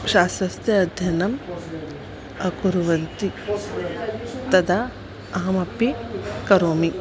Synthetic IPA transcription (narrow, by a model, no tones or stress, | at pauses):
ʃaːsʋɐst̪jɐːd̪ʱjɐnɐm | ɐkuɾuʋɐnt̪i | t̪ɐd̪a | ɐɦɐmɐpikɐɾoːmi